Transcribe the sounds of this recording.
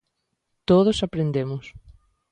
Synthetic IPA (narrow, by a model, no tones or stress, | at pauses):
t̪oð̞osapɾend̪emʊs